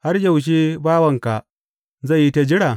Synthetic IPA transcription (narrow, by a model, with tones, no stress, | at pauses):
ha˦rjɐ˨wʃ̬e˦baː˦wɐ˨ŋka˨ | za˦˨jːi˦ta˨d͡ʒɪ˦ɽaː˨